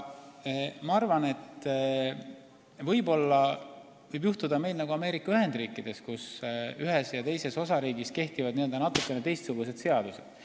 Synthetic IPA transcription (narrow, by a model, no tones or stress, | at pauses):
mɑɑrvɑne̞t̪ | vɤjbo̞lːɑ | vɤjbjuht̪ud̪ɑme̞jlnɑɡuɑme̞ːɾikːˑɑyɦe̞nd̪̥riːkːˑid̪̥e̞skusyɦe̞sjɑt̪e̞jse̞so̞sɑɾiːɡiske̞ht̪ivɑd̪niø̞ld̪ɑnɑt̪ːukːˑe̞net̪e̞jst̪suɡ̥us̬e̞d̪̥se̞ɑd̪̥use̞d̪̥